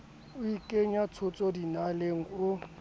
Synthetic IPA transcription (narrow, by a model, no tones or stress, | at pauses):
ʊikʼeɲat͡sʰʊt͡sʼɔdinaleŋ̩kʼʊ